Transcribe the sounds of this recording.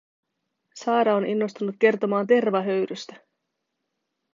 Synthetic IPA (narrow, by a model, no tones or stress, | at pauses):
sɑːɾɑonʔinːo̞st̪unut̪̚k̟e̞rt̪o̞mɑːnt̪e̞rʋɑɦø̞ɥɾyst̪æ